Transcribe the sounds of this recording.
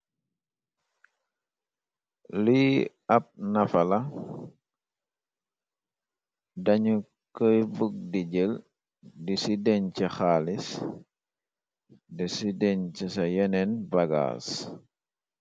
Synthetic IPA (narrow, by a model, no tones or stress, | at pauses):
lu | ɐp̚nɐfɐlɐ | dɐɲu | kəjbək̚diɟəl | disidɛɲcixaːlis | dɛsidɛɲt͡ʃisɐjɛnɛnbɐɡa̰ːs